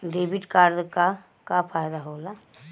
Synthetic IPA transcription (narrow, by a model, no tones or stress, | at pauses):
ɖeːbiʈkaːɾd̪ka | kapʰaːjd̪aɦoːla